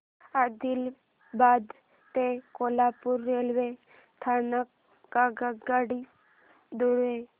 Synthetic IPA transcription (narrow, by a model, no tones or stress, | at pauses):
ad̪il | bad̪ | t̪ekolapuɾːelʋe | t̪ʰanakː | aɡaɡaɽi | d̪uɽʋe